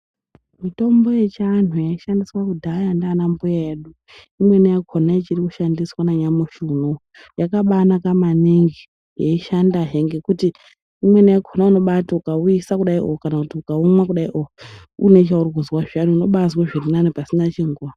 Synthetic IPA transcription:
mito̞mbo̞je̞t͡ʃan̤ujaiʃandiswakudʱajandanambujaeɗu | imwe̞nijakʰonaet͡ʃirikuʃandiswanaɲamuʃuno | jakaɓanakamaniŋɡi | jeiʃandaɦe̞ŋɡe̞kutiː | mwe̞nijakʰonauno̞ɓataukauisakuɗaiʔokokanakutiukaumwakuɗaiʔoko | une̞t͡ʃaurkuzwaʐianuuno̞ɓazwaʐirinanipasinat͡ʃiŋɡuwa

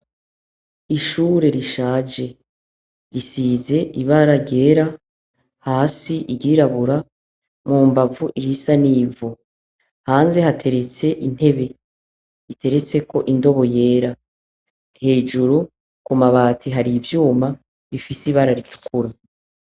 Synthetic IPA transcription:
iʃuɾe̞ɾiʃaːd͡ʒe̞ | ɾisize̞ʔiβaɾaɾɟe̞ːɾa | haːsiʔiɟiɾaβuɾa | muːmbavuʔiɾisaniːvu | haːnze̞hatʰe̞ɾe̞t͡se̞ʔin̥he̞βe̞ | ite̞ɾe̞t͡se̞ko̞ʔindo̞βo̞je̞ːɾa | he̞ːd͡ʒuɾu | kumaβaːtʰiɦaɾivjuːma | βifisiβaɾaɾitu̥kuɾa

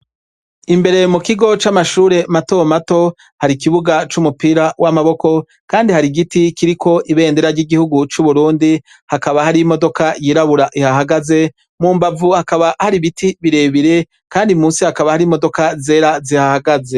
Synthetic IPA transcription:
imbe̞ɾe̞mukiɡo̞t͡ʃamaʃuːɾe̞mato̞mato̞ | haɾikiβuɡat͡ʃumupiːɾawamaβo̞ko̞ | kaːndihaɾiɡitikiɾikʰo̞ʔiβe̞ːndeɾaɾɟiɡihuɡut͡ʃuβuɾuːndi | hakaβahaɾimo̞do̞kajiːɾaβuɾaʔihaɦaɡaze̞ | muːmbavuhakaβahaɾiβitʰiβiɾe̞βiɾe̞ | kaːndiumuːsihakaβahaɾimo̞do̞kaze̞ːɾazihahaɡaze̞

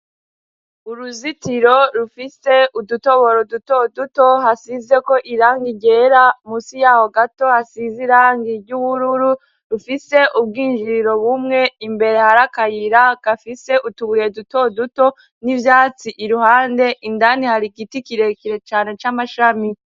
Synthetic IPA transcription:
uɾuzitiɾo̞ɾufise̞ʔuduto̞βo̞ɾo̞duto̞duto̞hasize̞ko̞ʔiɾaːŋɡiɟe̞ːɾamusijaːho̞ɡato̞hasiziɾaːŋɡiɾɟuβuɾuɾu | ɾufise̞ʔub̚ɡiːnd͡ʒiɾiɾo̞βumŋe̞imbe̞ɾe̞haɾakajiɾakafise̞ʔutuβuje̞duto̞duto̞ | nivjaːt͡siʔiɾuhaːnde̞ʔindanihaɾiɡitikiɾe̞kiɾe̞t͡ʃaːne̞t͡ʃamaʃami

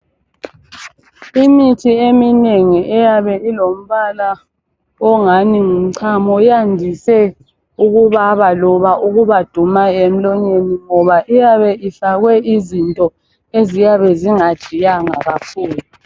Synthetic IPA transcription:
imitʰiemineŋiʔɛjaβɛilom̩βala | ɔŋaniŋum̩ǀʰamɔjandʱisɛ | uɣuβaβalɔβaʔuɣuβad̥ʱumaem̩lɔɲeniŋɔβaʔijaβɛʔifaɣwɛʔizintʼɔ | ezijaβɛziŋad̥ʒ̥ʱijaŋa̰ɣakʰuːlu

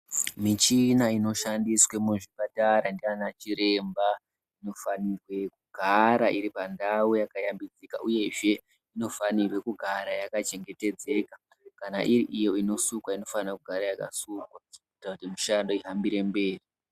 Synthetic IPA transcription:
mit͡ʃinaino̞ʃandiswemuʐipataɾandianat͡ʃiɾe̞mba | ino̞fanirwe̞kuɡʱaɾaʔiɾipandawujakajambid͡zika̰ʔuje̞ʐe̞ | ino̞fanirwe̞kuɡʱaɾajakat͡ʃe̞ŋɡe̞te̞d͡ze̞ka | kana̰ʔiɾiʔijo̞ino̞sukwaino̞fanirakuɡʱaɾajaka̰sukwaitautimiʃando̞iɦambiɾe̞mbe̞ːri

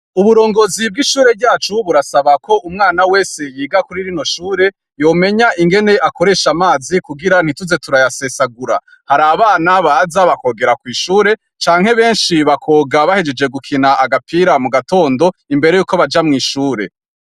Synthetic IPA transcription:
uβuɾo̞ːŋɡo̞zib̚ɡiʃuːɾe̞bɟaːt͡ʃuβuɾasaβakʰo̞ʔumŋaːnawe̞ːse̞jiːɡakuɾiɾino̞ʃuːɾe̞ | jo̞me̞ɲaʔiŋɡe̞ne̞ʔako̞ɾe̞ʃamaːzikuɡiɾan̥hituze̞tuɾajase̞saɡuɾa | haɾaβaːnaβazaβako̞ːɡe̞ɾakwiːʃuːɾe̞ | t͡ʃaːŋ̥he̞βe̞ːnʃiβakʰo̞ːɡaβahe̞d͡ʒe̞d͡ʒe̞ɡukʰinaʔaɡapʰiːɾamuɡato̞ːndo̞imbeɾe̞juːko̞βad͡ʒamŋiːʃuːɾe̞̰

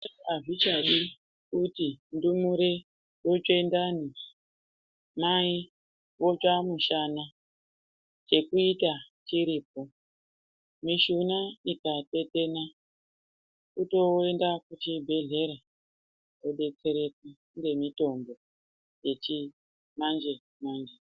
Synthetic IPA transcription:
aʐit͡ʃaɗi | kutindumuɾe | ot͡ʃendani | mai | wo̞d͡ʒamuʃana | t͡ʃe̞kuitat͡ʃiɾip̚o̞ | miʃunaikate̞te̞na | kuto̞e̞ndakut͡ʃibʱe̞ɮe̞ɾa | koɗe̞t͡se̞ɾe̞ki | ŋɡe̞mito̞mbo̞ | je̞t͡ʃi | mand͡ʒe̞ | mand͡ʒe

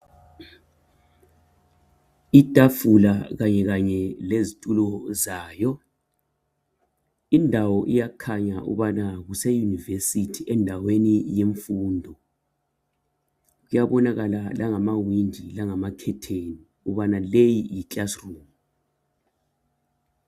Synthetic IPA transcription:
itʼafulaɣaɲɛɣaɲɛlezitʼulɔzaːjɔ | indʱawɔʔijakʰaɲaʔṵβanaɣusɛjunivesitʰiʔɛndʱawenijeɱfuːndʱɔ | ɣujaβɔnaɣalalʔaŋamawind͡ʒʱilaŋamakʰɛtʰeːni | uβanalejijit͡ɬʼasruːmu

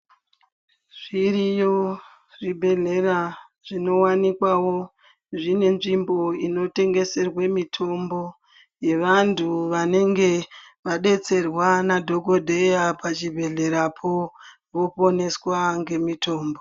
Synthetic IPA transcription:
ʐ̥irijo | ribʱe̞ɮe̞ra | ʐino̞wanikwawo̞ | ʐine̞nʐimbo̞ino̞te̞ŋɡe̞se̞rwemitʰo̞mbo̞ | je̞ʋantʰuʋane̞ŋɡe̞ʋaɗe̞t͡se̞rwanadʱo̞ɡo̞dʱe̞japat͡ʃibʱe̞ɮe̞ɾapʰo | ʋo̞po̞ne̞swaŋɡe̞mitʰo̞ːmbo

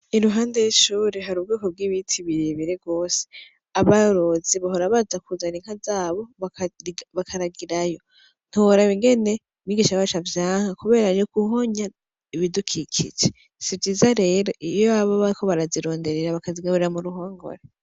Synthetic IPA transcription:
iɾuɦaːnde̞jiʃuːɾeɦaɾuːb̚ɡiːko̞b̚ɡiːβitʰiβiɾiβiɾeɡo̞ːse̥ | aβaoɾoziβaɦoɾaβazakuzaniŋ̥hazaːβo̞βakiβakʰaɾaɡiɾajo̞ | n̥uoɾaβiŋɡe̞ne̞ | miɡiʃaβat͡ʃavjaːŋ̥akuβe̞ːɾanokuɦo̞ɲa | iβidukʰikʰḭd͡ʒe | sivjiːzaɾe̞ːɾoʔijoaβaβaɾikʰo̞βaɾaziɾo̞ːnde̞ɾeɾaβakaziɡaβuɾeɾamuɾuɦoːŋɡo̰ɾe

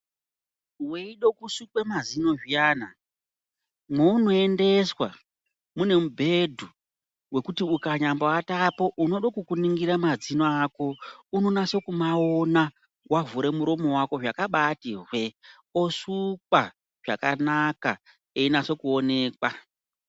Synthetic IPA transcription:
weiɗokusukwemazino̞ʐijaːna | mweuno̞ende̞swa | mune̞mubʱe̞dʱu | we̞kutiukaɲamboatapo̞ʔuno̞ɗokukuniŋɡiɾamad͡zinoako̞uno̞nase̞kumaona | wavuɾe̞muɾo̞mo̞wako̞ʐakaɓatirwe̞ | osukwa | ʐ̥a̰kanaka | einaso̞kuo̞ne̞ːkwa

